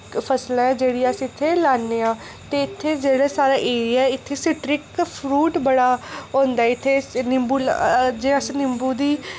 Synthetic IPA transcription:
pʰəslãːɛːd͡ʒeːɽiːasĩɪt̪ʰːeːlaːnːeːãː | t̪eːɪt̪ʰːeːd͡ʒeːɽaːsaːɾaːʔeːɾɪjaːɪt̪ʰːeːsɪʈɾɪkpʰɾuːʈbəɽaːɦõːnd̪aːɛɪt̪ʰːeːnɪmbuːld͡ʒeːəsnɪmbuːd̪iː

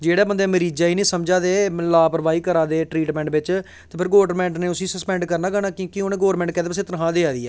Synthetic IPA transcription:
d͡ʒeːɽaːbənd̪ẽːməɾiːd͡ʒaːiːnĩːsəmd͡ʒaːd̪eːlaːpəɾʋaːiːkəɾaːd̪eːʈɾiːʈmɛ̃ːɳʈbɪt͡ʃ | t̪eːpʰɪɾɡoːɖɾmɛ̃ːɳʈneːʊsiːsəspɛ̃ːɳɖkəɾnaːɡəɽaːkõːkɪoːneːɡoːɾmɛ̃ːɳʈkɛ̃ːd̪epəs̬ẽːt̪əɾəɦãːd̪eːaːd̪iːɛː

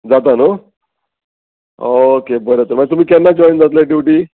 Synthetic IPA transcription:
d͡zat̪̬ano | okebəɾet̪əɾməad͡ʑet̪um̤iːkɛnːad͡ʑɔjnd͡zat̪leɖiʋʈiː

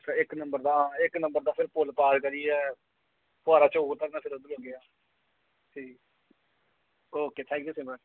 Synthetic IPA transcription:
ɪknəmbəɾd̪aːɦãːɪknə̃mbəɾd̪aːpʰɪɾpʊlpaːɾkəɾiːɛː | pʊaːɾaːt͡ʃoːɡt̪əɾnaːpʰɪɾod̪ɾõɡeaː | siː | oːkeːt̪ʰɛ̃ːŋkjuːsɪ̃ːbə

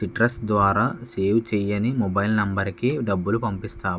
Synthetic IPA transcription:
iʈɾɐsd̪ʋaːɾaːseːwt͡ʃɛjɐnimɔbɐjlnɐmbɐɾkiɖɐbːulupɐmpist̪aː

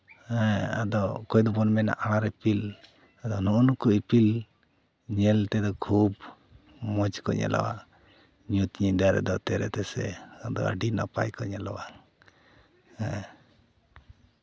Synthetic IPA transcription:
ɛa̰d̪ɔkɔjd̪ɔpɔnmɛna̰ʔaɽ̃aɾɛpil | ad̪ɔnuʔunukuipil | ɲɛlt̪ɛd̪ɔkʰub | mɔd͡ʒkɔɲɛ̰la̰wa̰ʔ | ɲut̪ɲid̪aɾɛ̰d̪ɔt̪ɛɾɛt̪ɛsɛad̪ɔ̰a̰ɖinapajkɔɲɛlawa | ɛ

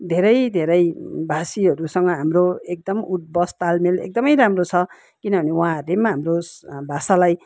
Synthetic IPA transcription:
d̪ʱeɾʌjd̪ʱeɾʌjbʱasiɦʌɾusʌŋɡʌɦamroek̚d̪ʌmuʈ̪̚bʌst̪almelḛk̚d̪ʌmʌjɾamrot͡sʰʌ | kinʌbʱʌnewãremːaɦamrobʱasalaj

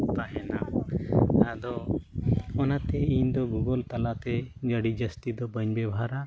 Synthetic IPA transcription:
t̪aɦɛna̰ | ad̪ɔ | ɔnat̪ɛiɲd̪ɔɡuɡəlt̪alat̪ɛd͡ʒəɽid͡ʒəst̪id̪ɔbəɲbɛbʱaɾa

